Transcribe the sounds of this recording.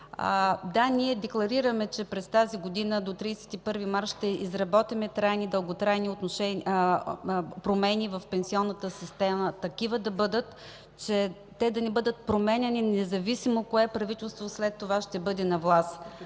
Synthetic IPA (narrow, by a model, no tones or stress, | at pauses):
d̪aniɛd̪ɛklˠɐɾiɾəmɛt͡ʃɛpɾɛst̪aziɡod̪inəd̪ot̪ɾiːsɛ̥t̪ipɤɾvimaɾʃt̪ɛizɾɐbɔt̪imɛt̪ɾajnid̪əlˠɡot̪ɾajniot̪noʃɛn | pɾomɛnivɐfpɛnsiɔnːɐt̪əsist̪ɛmət̪ɐkivəd̪ɐbɤd̪ət̪ | t͡ʃɛ | t̪ɛd̪ɐnɛbɤd̪ət̪̚pɾomɛnʲɛninɛzɐvisimokoɛpɾɐvit̪ɛlˠst̪voslɛt̪ːovaʃt̪ɛbɤd̪ɛnɐvlˠast̪